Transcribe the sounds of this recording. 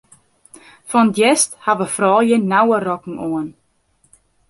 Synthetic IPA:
fɔnətjɛsthaʋəfrɔːjənawərɔkŋ̩ʔoən

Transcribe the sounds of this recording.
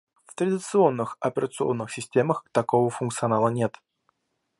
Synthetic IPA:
ft̪ɾədʲɪt̪sɨo̞nːɨxɐpʲɪɾət̪sɨo̞̰nːɨxsʲɪsʲtʲeməxt̪ɐko̞vəfʊnk̪̚sɨɐnalˠənʲe̞t̪

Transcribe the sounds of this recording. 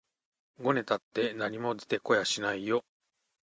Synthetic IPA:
ɡo̞ne̞t̪at̪ːe̞naɲ̟imo̞d̪e̥t̪e̞ko̞jaɕinaijo̞

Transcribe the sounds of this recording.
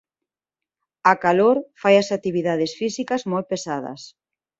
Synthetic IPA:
akaloɾfajasat̪iβiðaðesfisikazmojt̪̚pesaðɐ̰s

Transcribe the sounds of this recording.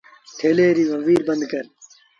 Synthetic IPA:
tʰeːleːɾiːʋɐʋiːɾbɐnd̪kɐɾ

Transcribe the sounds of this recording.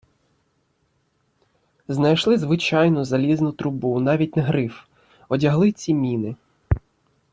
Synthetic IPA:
znɐjʃlˠɪzʋɪt͡ʃɑjnʊzɐlʲiznʊt̪ɾʊbunɑʋʲit̚ʲnɐɦɾɪf | ɔdʲɐɦlˠɪt͡sʲimʲinɪ

